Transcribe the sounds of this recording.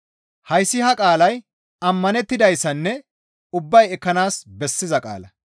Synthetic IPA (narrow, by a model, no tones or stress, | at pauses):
hɐjsːɪhɐkʼaːlɐj | ɐmːɐnɛt̪ːɪd̪ɐjsːɐnːɛ | ʊbːɐjɛkːɐnaːsbɛsːɪzɐkʼa̰ːlɐ